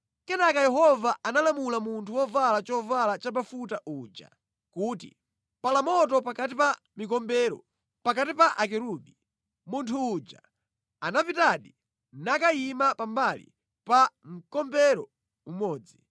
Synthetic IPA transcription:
kɛnakajɛɦɔvaanalamulamuntʰuwɔvalat͡ʃɔvalat͡ʃapafutaʔuːd͡ʒa̰ | kuːtḭ | palamɔtɔpakatipa | mikɔmbɛɾɔ̰ | pakatipaʔakɛɾuɓi | muntʰuːd͡ʒa̰ | anapitaɗi | nakaimapambalḭ | paŋ̩kɔmbɛɾɔ | umɔːd͡zi

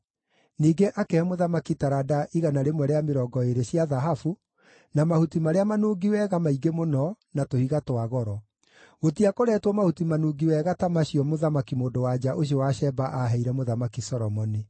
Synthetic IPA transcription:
niːɡeʔakɛmoðamakitaɾadaʔiɣanaɾemwɛɾeameɾɔːɡɔeɾeɕjaðaɦafu | namahutimaɾeamanuːɡiwɛɣamaiɡemonɔ | natohiɣatwaɣɔɾɔ | ɣotiakoɾɛtwɔmahutimanuɡiwɛɣatamaɕiɔmoðamakimoːndowad͡ʑaʔoɕ̬iɔwaɕɛbaʔaɦɛiɾɛmoðamakisɔɾɔmɔni

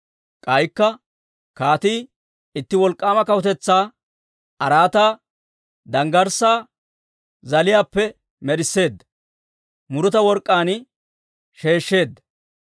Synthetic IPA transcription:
kʼɐjkːɐ | kaːt̪iː | ɪt̪ːɪwɔlkʼːaːmɐkɐwʊt̪ɛt͡sːaː | ɐɾaːt̪aː | d̪ɐŋɡɐɾsaː | zɐlɪjaːpːɛ | mɛɾɪsːe̞ːd̪ːɐ | mʊɾɔt̪ɐwɔɾkʼːaːn | ʃe̞ːʃːe̞ːd̪ːɐ

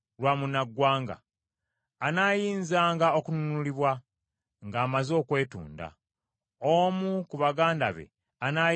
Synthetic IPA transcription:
lwaːmunaɡːwaːŋɡa̰ː | naːjiːnzaːŋɡao̞kununuliβwa | ŋɡaːmazo̞ːkwe̞ːtṵːnda̰ | omukuβaɡaːnda̰βe̞̰ | ana

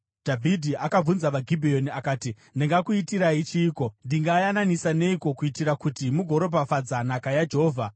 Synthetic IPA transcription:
d̥ʱavʱidʱiʔakab͡vunzaʋaɡʱibʱijo̞niakaːti | ndeŋɡakuitiɾait͡ʃiːko̞ndiŋɡajananisane̞iko̞kuitiɾakutimuɡʱo̞ɾo̞bʱafad͡zanakajad͡ʒeɦoːvʱa

